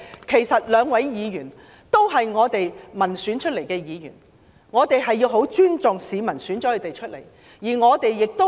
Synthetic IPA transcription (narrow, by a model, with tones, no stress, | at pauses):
kʰe˨˩jsɐ˨t̚lœː˨˧ŋwɐ˨˥jjiː˨˧jyː˨˩n | t̪o˥wɦɐ˨jŋɔː˨˧t̪e˨jmɐ˨˩nsyː˨˥nt͡ʃʰɵ˥t̚le˨˩jkɛː˧jiː˨˧jy̰ː˨˩n | ŋɔː˨˧t̪e˨jɦɐ˨jːiː˧wɦo˨˥wt͡ʃyː˥nt͡sʊ˨ŋsiː˨˧mɐ˨˩nsyː˨˥nt͡ʃɔ˨˥ɵ˨˧t̪e˨jt͡ʃʰɵ˥t̚le˨˩j | jiː˨˩ŋɔː˨˧t̪e˨jːɪ˨k̚t̪o˥